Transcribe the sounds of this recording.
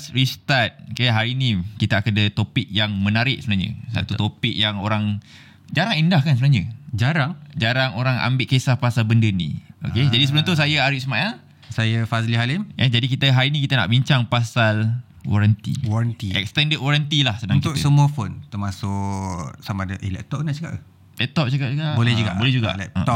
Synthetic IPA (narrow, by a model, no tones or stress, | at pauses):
srist̪at̪̚kajaɦaɾiːnikit̪aakadət̪opɪk̚jaŋmə̃naɾɪʔ̚səbənaɲə̰sa̰t̪ut̪opɪk̚jaŋoɾaŋ | d͡ʒaɾaŋindahkansəbənaɦɲəd͡ʒaɾaŋd͡ʒaɾaŋoɾaŋa̰mbɪʔkesahpasalbəndənḭ̃o̰kked͡ʒadisəbəlũmt̪us̬ajaaɾiʔsmaʔa | sajəfazliɦalɪməd͡ʒadikit̪əɦaɾinikit̪əna̰ʔbiɲt͡ʃaŋpasal | wɔ̰ɾant̪ḭwɔɾant̪iɛ̰k̚st̪ɛndət̚kwɔɾant̪ilahsədãŋkit̪ʊksəmuəfont̪əmasʊʔsamadəʔilɛ̰ʔ̚t̪ɔʔnat͡ʃakaʔ | lɛʔt̪ɔʔ̚t͡ʃakap̚t͡ʃaɡabolɛhd͡ʒuɡa̰bolɛhd͡ʒuɡa̰ʔlɛ̰ɔ